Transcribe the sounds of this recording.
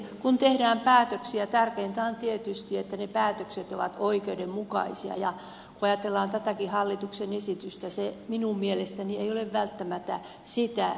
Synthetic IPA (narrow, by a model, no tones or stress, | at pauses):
kunt̪ehdæːmpæːt̪øksiæt̪ærkeːnt̪ɑont̪iet̪yst̪iet̪ːænepæːt̪økset̪oʋɑ̰t̪oikeudemmukɑ̰isiɑ̰jɑ | kuɑjɑt̪elːɑːnt̪æt̪ækihɑlːit̪uksenesit̪yst̪æseminummielest̪ænieioleʋʋælt̪ːæmæt̪æ̰ | sit̪æ